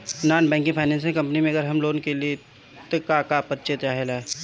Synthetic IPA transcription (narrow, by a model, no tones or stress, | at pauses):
naːnbɛ̃ːŋkĩpʰaɪnɛ̃ːnsɪ̃ŋkɐ̃mpnimẽɐɡəɾɦɐmloːnkelie | t̪ɐkakapəɾt͡ʃet̪ɾaːɦelaɛ